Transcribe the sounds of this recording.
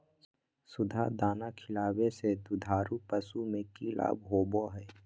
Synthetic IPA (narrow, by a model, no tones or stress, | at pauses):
sʊd̪ʱa̰d̪aːnakʰɪlaːwesed̪ʊd̪ʱaːɾupəsumẽkila̰ːbɦoːboɦɛː